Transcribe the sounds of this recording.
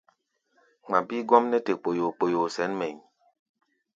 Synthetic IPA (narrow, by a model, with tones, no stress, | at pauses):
ŋ͡ma˨bi˦ɡɔ˦mnɛ˦te˨k͡po˨jo˨k͡po˨jo˨sɛ˨˦nmɛ˨ɲ